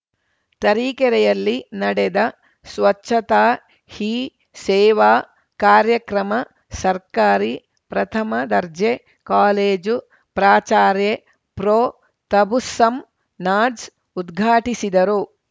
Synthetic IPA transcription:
t̪ɐɾiːkɛɾɛjɐlːinɐɽɛd̪ɐ | sʋɐt͡ʃːʃʰɐt̪aː | hiː | sɛːʋaː | kaːɾjɐkɾɐmɐ | sɐɾkaːɾi | pɾɐt̪ʰɐmɐd̪ɐɾd͡ʒe | kaːleːd͡ʒu | pɾaːt͡ʃaːɾje | pɾoː | t̪ɐbusɐm | naːd͡ʒ | ud̪ɡʱaːʈisid̪ɐɾu

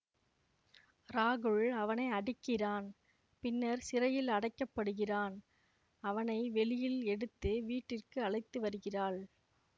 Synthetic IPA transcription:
ɾaːɣɯɭɐʋɐnɐɪɐɽɪkːɪraːn | pɪnːɐɾsɪrɐjɪlɐɽɐɪkːɐpːɐɽɯɣɪraːn | ɐʋɐnɐɪʋɛlɪjɪlɛɽɯt̪ːɯʋiːʈːɪrkɯɐɭɐɪt̪ːɯʋɐɾɯɣɪraːɭ

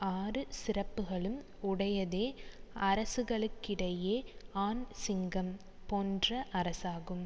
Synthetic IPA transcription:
aːrɯsɪrɐpːɯɣɐɭɯm | ʊɽɐjɐðeːɐɾɐsɯɣɐɭɯkːɪɽɐjeːaːnsɪŋɡɐm | poːndrɐʔɐɾɐsaːɣɯm

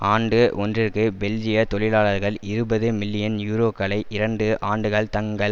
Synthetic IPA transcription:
aːɳɖɯʔɔndrɪrkɯbɛld͡ʒɪjɐt̪ɔɭɪlaːɭɐɾɣɐɭɪɾɯbɐðɯmɪlːɪjɐnjuːɾoːkɐɭɐɪʔɪɾɐɳɖɯʔʔaːɳɖɯɣɐɭt̪ɐŋɡɐ

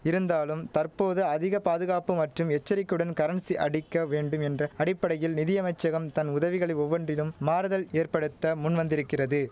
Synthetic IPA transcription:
ɪɾɯnd̪aːlɯmt̪ɐrpoːðɯɐðɪɣɐpaːðɯɣaːpɯmɐʈrɯmɛt͡ʃːɐɾɪkːɯɽɐnkɐɾɐnsiʔɐɽɪkːɐʋeːɳɖɯmɛndrɐɐɽɪpːɐɽɐjɪlnɪðɪjɐmɐɪt͡ʃːɐɣɐmt̪ɐnʊðɐʋɪɣɐɭɐɪɔʋːɐɳdrɪlɯmːaːɾɯðɐleːrpɐɽɯt̪ːɐmʊnʋɐnd̪ɪɾɯkːɪrɐðɯ

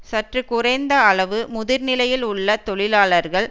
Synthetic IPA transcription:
sɐʈrɯkʊrɐɪnd̪ɐɐɭɐʋɯmʊðɪɾnɪlɐjɪlʊɭːɐt̪ɔɭɪlaːɭɐɾɣɐɭ

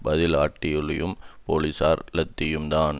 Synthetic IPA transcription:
bɐðɪlaːʈːɪjɯɭɪjɯmpoːlisaːɾlɐt̪ːɪjɯmd̪aːn

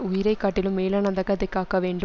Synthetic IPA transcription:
ʊjɪɾɐɪkːaːʈːɪlɯmːeːlɐnɐnd̪ɐkɐðɐkːaːkɐʋeːɳɖɯ

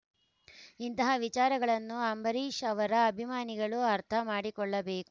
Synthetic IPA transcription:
int̪ɐɦɐʋit͡ʃaːɾɐɡɐɭɐnːuɐmbɐɾiːʃɐʋɐɾɐːbʱimaːniɡɐɭuɐɾt̪ʰɐmaːɽikɔɭːɐbeːku

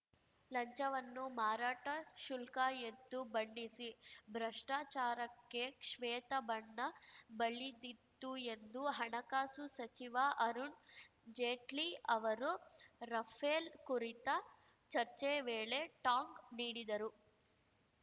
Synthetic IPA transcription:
lɐɲt͡ʃɐʋɐnːumaːɾaːʈɐʃulkaːent̪ubɐɳɖisibʱɾɐʂʈaːt͡ʃaːɾɐkːeːkʂʋɛːt̪ɐbɐɳːɐbɐɭːid̪it̪ːue̞nd̪uɦɐɳɐkaːsusɐt͡ʃiʋaʔɐɾun | d͡ʒeːʈliɐʋɐɾuɾɐpʰeːlkuɾit̪ɐ | t͡ʃɐɾt͡ʃeːʋeːɭe̞ːʈaːŋɡniːɽid̪ɐɾu

